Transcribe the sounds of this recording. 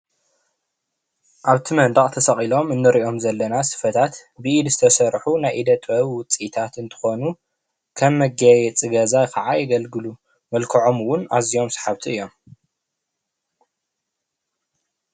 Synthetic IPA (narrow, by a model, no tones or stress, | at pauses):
ʔaβt̪ʰimɐnd̪aχʼt̪ʰɐsɐχʼilo̞mɨnːɨɾiʔo̞mzɐlːɐnasɨ̥fɐt̪ʰat̪bɨʔid̪zɨt̪ʰɐsɐɾħunajʔid̪ɐt̪ʼɐβwʊt͡sʼit̪ʰat̪ɨnt̪ʰɨ̥xo̞nu | kʰɐmːɐɡajɛt͡sʼɨɡɐzajkʰɐʕajɪɡɐlɡɨlu | mɐlkʰɐʕo̞mɨwʊnazijo̞msḁħaβt̪ʰiɨjːo̞m